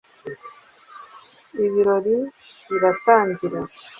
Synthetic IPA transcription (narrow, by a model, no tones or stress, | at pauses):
iβiɾo̞ɾiβiɾataːɲɟiɾa